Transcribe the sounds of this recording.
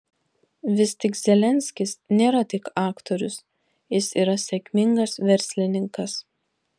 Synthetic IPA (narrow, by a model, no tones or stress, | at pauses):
ʋʲɪsʲt̪ʲɪkzʲɛlʲɛnʲsʲkʲɪsnʲeːɾɐt̪ʲɪkɑːkt̪ɔɾʲʊs | jɪsiːɾɐsʲɛkʲmʲɪŋɡɐsʋʲɛɾʲsʲlʲɪnʲɪŋkɐs